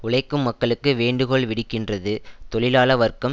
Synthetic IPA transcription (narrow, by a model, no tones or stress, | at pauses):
ʊɭɐɪkːɯmːɐkːɐɭɯkːɯʋeːɳɖɯɣɔɭʋɪɽɯkːɪndrɐðɯt̪ɔɭɪlaːlɐʋɐɾkɐm